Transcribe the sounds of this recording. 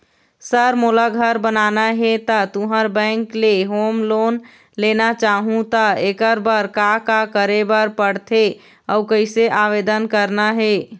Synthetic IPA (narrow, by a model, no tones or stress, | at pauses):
səɾmolaɡʱəɾbənanaɦet̪ət̪uɦəɾbə̃ɪŋkleɦomlon | lenat͡ʃaɦũt̪əekəɾbəɾkakakəɾebəɾpəɽt̪ʰe | əʊkəɪseʔaʋed̪ənkəɾnaɦe